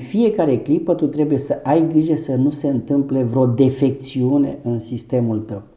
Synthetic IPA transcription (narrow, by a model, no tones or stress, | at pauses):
fie̞kaɾe̞klipət̪ut̪ɾe̞buje̞səʔajɡɾiʒe̞sənuse̞ɨnt̪ɨmple̞vɾeo̞d̪e̞fe̞k̚t̪siune̞ʔɨnsist̪e̞mult̪əw